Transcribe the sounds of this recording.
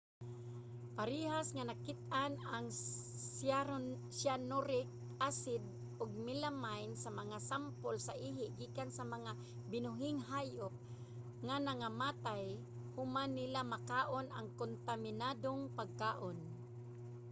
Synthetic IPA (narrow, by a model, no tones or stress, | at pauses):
paɾiɦasŋanakɪt̪̚anaŋ | sa | sanʊɾɪk̚ | ʔasɪd̪̚ | ʔʊɡ̚mɪlamajnsamɐŋasampolsaʔiːɦɪʔɡiːkansamaŋa | bɪnʊɦɪŋɦaːjʊp̚ | ŋanaŋamaːt̪aj | hʊmanːɪlamakaːʔonaŋkont̪amɪnad̪oŋpaɡ̚kaːʔon